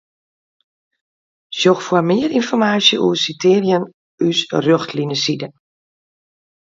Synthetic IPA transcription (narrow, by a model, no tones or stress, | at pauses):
sjoxfwərmɪərinfɔrmaːsjəʔṵsitʰɪːrjən | ysrøxtʰlinəsidə